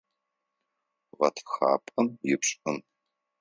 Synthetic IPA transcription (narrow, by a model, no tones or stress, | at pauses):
ʁɐtʰxa̰ːpʼɨmjɪpɕʼɨm